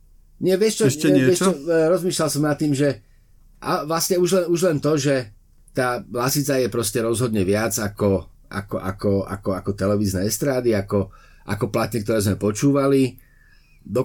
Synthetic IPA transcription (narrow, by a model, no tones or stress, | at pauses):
ɲɪɛʋɪɛʃt͡ʃɔɛʃɛɪɛʃt͡ʃɔɾɔzmiːʃlalsɔmnat̪ːiːmʒɛ | ʔa̰ʋlasɲɛuʒlɛnuʒlɛnt̪ɔʒɛ | t̪aːlasit͡sajɛpɾɔscɛɾɔzɦɔd̪ɲɛʋɪad͡zakɔ | ʔa̰kɔʔa̰kɔa̰kɔakɔt̪ɛlɛʋiːznɛːɛst̪ɾaːd̪iakɔ | ʔa̰kɔplat̪ɲɛk̚t̪ɔɾɛːzmɛpɔt͡ʃuːʋali | d̪ɔ